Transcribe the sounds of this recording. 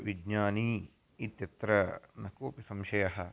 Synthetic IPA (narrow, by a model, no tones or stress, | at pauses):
ʋid͡ʒɲaːniː | it̪jɐt̪ɾɐnɐkoːpisɐmʃɐjɐɦɐ